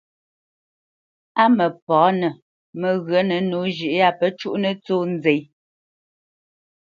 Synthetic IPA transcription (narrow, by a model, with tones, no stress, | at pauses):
a˦mə˨pɔː˨˦nə˨ | mə˨ɣɰə˨˦nə˨nu˨˦ʒi˨ʔa˦pə˦t͡ʃu˦ʔnə˦t͡soː˦n˦d͡ze˨j